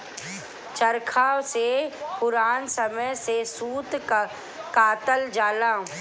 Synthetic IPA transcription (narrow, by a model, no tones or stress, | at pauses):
t͡ʃəɾkʰaːwsepʊɾaːnsɐməjsesuːt̪ | kaːt̪əld͡ʒaːlãː